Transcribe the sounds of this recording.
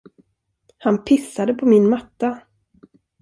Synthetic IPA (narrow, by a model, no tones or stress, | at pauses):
hanpʰɪsad̪əpʰɔmɪnmat̪ːa